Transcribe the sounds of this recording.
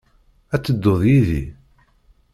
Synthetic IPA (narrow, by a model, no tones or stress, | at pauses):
æt͡sːəd̪ːoðˤjiðḭ